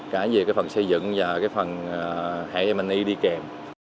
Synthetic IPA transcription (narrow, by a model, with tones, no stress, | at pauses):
kaː˧˩zie˨˩kaː˨˦jfə˨˩nsə˧jzɨ̰˧˨ŋvaː˨˩kaː˨˦jfə˨˩nː˨˩ | ha̰ː˧˨ʔɛ˧ma˨˩nʔi˧ɗi˧kɛ˨˩m